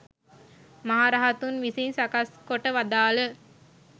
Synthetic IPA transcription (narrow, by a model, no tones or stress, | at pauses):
maɦaɾaɦɐt̪unʋisinsakaskoʈəʋad̪aːlə